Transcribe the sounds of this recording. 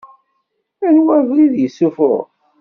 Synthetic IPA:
ænwævliðjəsːufʊ̰ʁ

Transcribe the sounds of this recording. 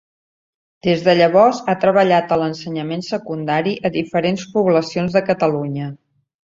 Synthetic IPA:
d̪̥ezðəʎəβ̞ɔzat̪ɾəβəʎat̪ələnsəɲəmensəkund̪aɾiʔəðifəɾenspuβləsionzðəkət̪əluɲə

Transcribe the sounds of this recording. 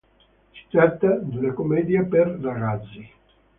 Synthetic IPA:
t͡ʃi̥t̪at̪ːad̪elakomɛːd̪japerlaɡad̪zːi

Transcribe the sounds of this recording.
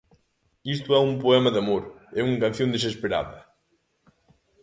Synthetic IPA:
ist̪ʊɛumpoɛmɐðɐmoɾɛuŋkãnθjõnd̪es̬espeɾa̰ðɐ

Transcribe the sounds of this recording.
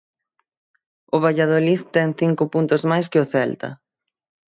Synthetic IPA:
ʊβ̞aʎaðoliθt̪ɛŋθiŋkʊpunt̪ʊzmajskɪʊθɛlt̪ɐ̰

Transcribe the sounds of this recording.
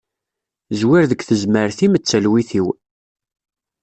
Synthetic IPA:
zwiɾðəkθəzməɾθimət͡sːəlwiθiw

